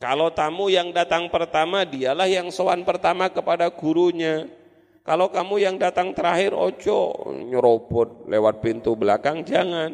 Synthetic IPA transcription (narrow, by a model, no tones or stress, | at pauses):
kalot̪amujaŋdat̪aŋpərt̪amadialahjaŋsowanpərt̪amakəpadaɡuɾuɲa | kalokamujaŋdat̪aŋt̪əɾaɦɪɾo̰t͡ʃɔ̰ɲəɾopʊt̪̚lewat̪̚pint̪ubəlakaŋd͡ʒaŋan